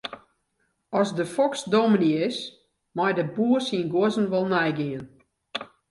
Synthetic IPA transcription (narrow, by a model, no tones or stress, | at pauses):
ɔsdəfɔksdominiɪs | mɔjdəbuərsinɡoəzn̩ʋɔlˠnɛjɡiən